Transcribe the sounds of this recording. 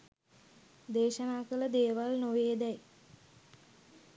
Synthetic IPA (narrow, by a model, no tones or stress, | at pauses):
d̪eːʃənaːkələd̪eːʋalnoʋeːd̪ɛj